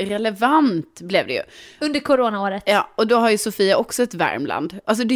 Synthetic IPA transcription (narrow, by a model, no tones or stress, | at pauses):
ɾɛlɛvant̪blɛvd̪ɛ̰jɵ̰ɵnd̪əɾkʰʊɾoːnaoːɾət̪jɑ̰ːɔd̪ɔɦaɾjɵsʊfiːaʔɔksɔɛt̪væ̰ɾmlʔa̰nd̪ʔals̬ɔd̪ɛ